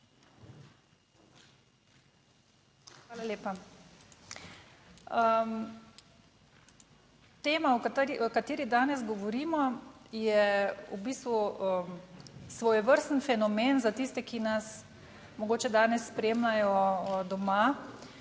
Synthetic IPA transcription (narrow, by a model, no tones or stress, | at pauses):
xʋaːlaljeːpa | əm | t̪eːmaɔkkat̪eːɾid̪aːnɛzɡɔʋɔɾiːmɔjɛubiːst̪ʋuə | sʋɔjɛʋəɾst̪nfɛnɔmeːnzat̪iːst̪ɛkinas | mɔɡoːt͡ʃɛd̪aːnɛsːpɾeːmlajɔd̪ɔma